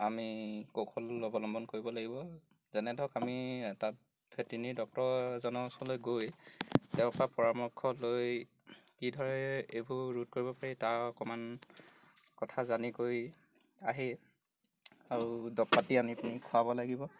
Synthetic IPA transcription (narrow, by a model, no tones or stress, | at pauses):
amikokʰɔlɔbɔlɔmbɔnkoɹibɔlaɡibɔ | zɛnɛdʱɔkamiɛta | bʰʱetinidɔk̚tɔzɔnɔsɔlojɡojtɛʊ̃papɔɹamɔkʰːɔloj | kidʱɔɹɛebʱuɹud̚koɹibɔpaɹitaɹɔkɔman | kɔtʰazanikoj | aɦi | aɹudɔkpatiamiapunikʰʊabɔlaɡibɔ